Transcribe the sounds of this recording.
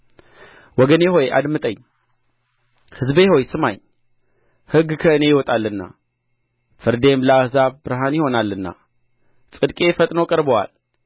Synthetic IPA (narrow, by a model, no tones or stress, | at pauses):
wɔɡəneɦo̞jʔa̰d̪mɨt̪ʼəɲː | hɨzbe̞ho̞jsɨmaɲ | hɨɡkʰəɨne̞jɪwɔt̪ʼalːɨnːa̰ | fɨɾd̪e̞mlaahzaβbɨɾɦanjɪho̞nalːɨnːa̰ | sʼɨd̪kʼe̞fət̪ʼnokʼəɾbəwa̰l